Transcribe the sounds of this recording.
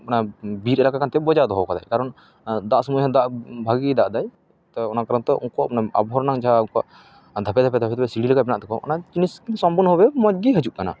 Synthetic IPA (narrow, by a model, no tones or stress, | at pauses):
ɔnabiɾʔɛɾakakant̪ɛbɔd͡ʒad̪ɔɦɔwkad̪a̰jkaɾɔn | d̪aʔsumujɦɛd̪aʔbʱaɡid̪aʔd̪aj | t̪ɔɔnakaɾant̪ɔʔɔŋkɔanaa̰bɔɦɔɾnaŋd͡ʒaɦauŋkɔaʔ | d̪ʱapɛd̪ʱapɛd̪ʱapɛd̪apɛsiɽilɛkabɛnaʔt̪ɛkɔʔɔ̰nat͡ʃiniskinsɔmbunɦɔwɛmɔd͡ʒ̚ɡiɦəd͡ʒuʔ̚kana̰